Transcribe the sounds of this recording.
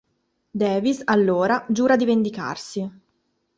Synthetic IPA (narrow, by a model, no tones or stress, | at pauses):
d̪ɛːvisalːoːɾad͡ʒuːɾad̪ivend̪ika̰rsi